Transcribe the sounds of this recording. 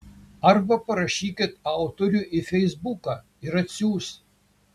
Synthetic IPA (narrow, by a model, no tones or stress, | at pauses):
ɐrbɐpɐɾɐʃʲiːkʲɪt̪ɑʊt̪oɾʲuʔɪfʲɛjzbukɐ | ɪɾɐt̪ʲsʲuːs